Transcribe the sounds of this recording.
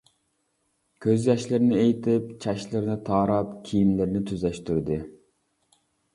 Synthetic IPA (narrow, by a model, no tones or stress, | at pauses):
kʲʰøzjɑʃlɪɾnɪejt̪ʰɪp̚t͡ʃʰɛʃlɪɾnɪt̪ʰɑːɾɑpkʲʰijinlɪɾnɪt̪ʰyzɛʃt̪yɾd̪ɪ